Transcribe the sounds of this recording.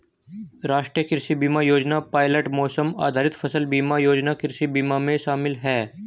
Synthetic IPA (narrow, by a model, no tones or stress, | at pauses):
ɾaːʃʈɾijəkɪɾʃibiːmajoːd͡ʒnapaːɪləʈmɔːsəma̰ːd̪ʱaːɾɪt̪fʰɐsəlbiːmajoːd͡ʒnakɪɾʃibiːmamẽʃaːmɪlɦɛː